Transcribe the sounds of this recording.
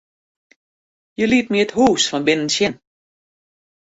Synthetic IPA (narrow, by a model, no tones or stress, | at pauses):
jəlit̚miəthuːsfɔnbɪnənsjɪn